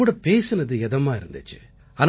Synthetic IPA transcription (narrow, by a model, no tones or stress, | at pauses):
uːɽɐpeːsɯnɐðɯɛðɐmaːɪɾɯnd̪ɯt͡ʃːɯ̥̰ | ɐn